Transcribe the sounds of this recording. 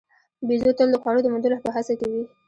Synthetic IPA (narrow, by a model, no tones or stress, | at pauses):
bizot̪əld̪əxwɑɽod̪əmʊd̪uɾlapəɦasakawi